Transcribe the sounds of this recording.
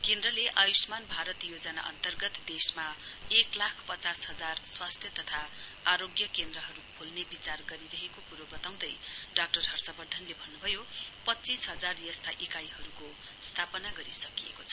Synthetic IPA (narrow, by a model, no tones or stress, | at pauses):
kend̪rʌleʔajusmanbʱaɾʌt̪jod͡zʌna̰ʔʌ̰nt̪ʌrɡʌt̪d̪esmaeklakʰpʌt͡sasɦʌd͡zarswast̪ʰjʌt̪ʌt̪ʰaaɾoɡjʌkend̪rʌɦʌɾupʰolnebit͡sarɡʌɾiɾʌɦekokuɾobʌt̪aw̃d̪ʌjɖak̚ʈʌrɦʌrsʌbʌrd̪ʱʌnlebʱʌnːubʱʌjopʌt͡sisɦʌd͡zarjʌst̪ʰaʔikajɦʌɾuko | st̪ʰapʌnaɡʌɾisʌkiḛkot͡sʰʌ